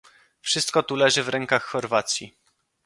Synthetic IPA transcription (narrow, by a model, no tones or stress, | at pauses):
fʂɘst̪̚kɔt̪ulɛʐɘvɾɛŋkaxːɔɾvat̪sʲji